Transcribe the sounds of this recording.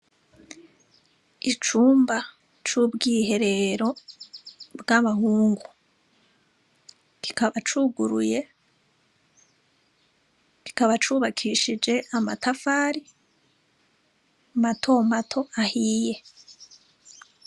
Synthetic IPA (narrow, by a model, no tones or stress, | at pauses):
it͡ʃuːmba | t͡ʃubɡiːhe̞ɾe̞ɾo̞ | bɡaβahuːŋɡu | kikaβat͡ʃuːɡuɾuje̞ | ki̥kaβat͡ʃuːβakʰiʃid͡ʒe̞ʔamatafaːɾi | matʰo̞matʰo̞ahiːje̞